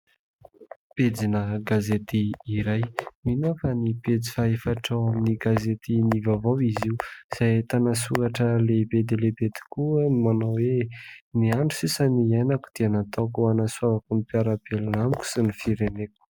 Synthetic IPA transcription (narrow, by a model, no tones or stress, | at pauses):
ped͡zinəɡazet̪iːɾajminofaniped͡zi̥faɦefaʈ͡ʂawaminiɡazet̪inivavawiziwz̥ajt̪anasuɾaʈ͡ʂəlebed̪elebed̪i̥kuamanawweniaɳɖ͡ʐusisəniajnakud̪̥ianat̪akuanaswavakunipiaɾabelinamikʲu̥sinifiɾeneku̥